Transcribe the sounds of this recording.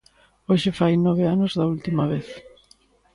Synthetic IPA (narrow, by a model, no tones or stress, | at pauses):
oʃɪfajnɔβ̞ɪanozðɐult̪imɐβeθ